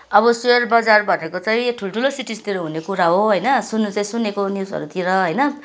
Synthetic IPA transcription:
ʌbʌsweʌrbad͡zarbʱʌnekot͡saĩʈʰuloʈʰulosiʈist̪iɾoɦunekuɾaɦoɦʌjnʌsunut͡saĩsunːekoniwsʌ̰ɾut̪iɾʌɦʌjnʌ

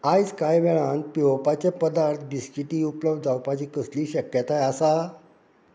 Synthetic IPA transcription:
ajd͡zkajʋɛɭãn̚piopat͡ɕepəd̪aɾt̪ʰbiskiʈiːupləbd̪d͡zawpat͡ɕiːkəsliːɕəkjət̪ajasa

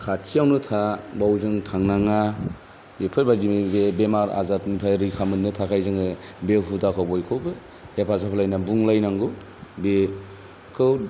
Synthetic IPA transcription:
kʰatsʰijawnɯtʰabawzɯŋtʰaŋnaŋa | bepʰɯɾbazimiebemaɾa̰zatnipʰajɾɯkʰamɯnnɯtʰakʰajzɯŋɯbeɦudakʰawbɔjkʰɯwbɯ | hepʰasapʰɯlajnabuŋlajnaŋɡɯ | be | kʰɯw

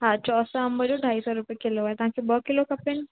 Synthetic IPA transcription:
ɦãt͡ʃɔːsɔɦɐmbəd͡ʒoɖʱaːisɔɾʊpekiloɛt̪ɐɦãkibɔkilokɐpɪn

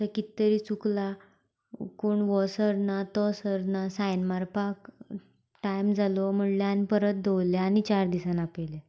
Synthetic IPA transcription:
əkit̪ːəɾit͡sukla | koɳʋɔsəɾnat̪ɔsəɾnasajnmaɾpak | ʈajmd͡zalɔm̤əɽljaːnipəɾət̪̚d̪owljaːñit͡ɕaɾd̪isanapele

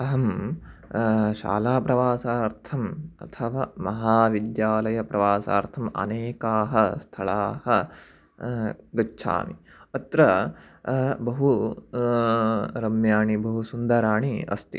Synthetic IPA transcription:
ɐɦɐm | ʃa̰ːlaːpɾɐʋaːsaːɾt̪ʰɐmɐ̰t̪ʰɐʋaːmɐɦaːʋid̪jaːlɐjɐpɾɐʋaːsa̰ːɾt̪ʰɐmɐ̰neːkaːɦɐst̪ʰɐɭaːhɐ | ɡɐtːʃʰa̰ːmi | ɐt̪ɾɐ | bɐɦu | ɾɐmjaːɳibɐɦusund̪ɐɾaːɳiɐ̰st̪i

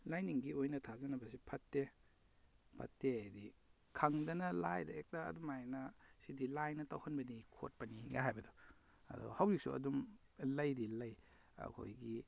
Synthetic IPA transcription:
lajniŋɡiojnɐtʰazɐnɐbɐs̬ipʰɐtːe | pʰɐ̰tːeadi | kʰɐŋdɐnɐlajdɐek̚taɐ̰dumajnɐsidilajnɐtawhɐnbɐnikʰo̰t̚pɐniɡa̰ɦajbɐdɔ | ɐ̰dɔ̰hawzik̚suɐ̰dumlɐjdilɐj | ɐ̰kʰo̰jɡi

